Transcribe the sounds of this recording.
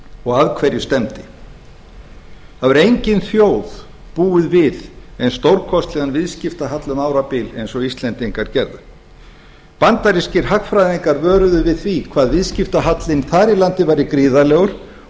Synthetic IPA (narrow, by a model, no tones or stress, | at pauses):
ɔɣaðkʰvɛɾjʏst̪ɛmt̪ɪ | θaðvaɾejɲcɪnθjoːwð̥ | puːʏðvɪðɛnst̪owɾkʰɔst̪lɛɣanvɪðscɪft̪aɦat̪lʏmaːwɾapɪlḛjnsɔist̪lɛnt̪iŋkaɾ̥cɛɾðʏ | pant̪aɾiscɪɾ̥ɦakfɾajðiŋkaɾvœːɾʏðʏvɪðθvikʰvaːðvɪðscɪft̪aɦat̪lɪnθaːɾilant̪ɪvajɾɪkɾiːðalɛːɣʏɾ̥